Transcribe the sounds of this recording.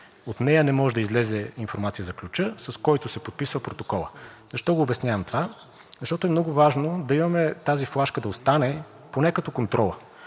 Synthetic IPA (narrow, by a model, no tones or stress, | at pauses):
ot̪nɛjənɛmɔʒɛd̪ɐizlɛzɛinfoɾmat̪sijəzɐklʲut͡ʃɤsɐskɔjt̪ʊsɛpot̪̚pisvɐpɾot̪okɔlˠə̰ | zɐʃt̪ɔɡoːbɛsnʲjavɐmt̪ova | zɐʃt̪ɔt̪ʊɛmnɔɡʊvaʒnod̪ɐimɐmɛt̪aziflˠaʃkəd̪ɐost̪anɛ | ponɛkɐt̪ɔkont̪ɾɔlˠə